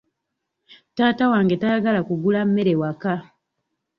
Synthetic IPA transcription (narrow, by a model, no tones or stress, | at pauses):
taːtawaːŋɡe̞tajaɡalakuɡulammːe̞ɾe̞waka